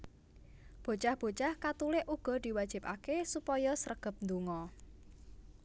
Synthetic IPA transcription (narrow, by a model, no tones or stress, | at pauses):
b̥o̤t͡ʃahb̥o̤t͡ʃahkat̪ulɪʔuɡ̥ɔ̤d̪̥i̤wad̥ʒ̥i̤pakesupɔjɔsəɾəɡ̥ə̤p̚nd̪uŋɔ